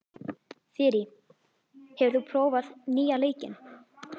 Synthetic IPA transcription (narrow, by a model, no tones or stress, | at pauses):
fɪɾɪ | hɛvʏɾ̥θupʰɾoːwvaðniːaleːjcɪ̰n